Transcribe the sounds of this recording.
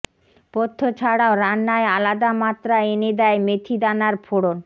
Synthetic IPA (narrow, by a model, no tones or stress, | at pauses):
pot̪ʰːot͡ɕʰaɽaoɾanːaealad̪amat̪ːɾaened̪ɛemet̪ʰid̪anaɾpʰoɽon